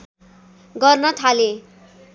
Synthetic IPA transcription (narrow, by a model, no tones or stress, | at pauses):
ɡʌrnʌt̪ʰale